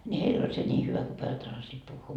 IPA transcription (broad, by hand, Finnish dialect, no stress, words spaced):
nʲi heil olʲ se nʲiː hyʋæ ku pojɑt osɑsiːt puhːuː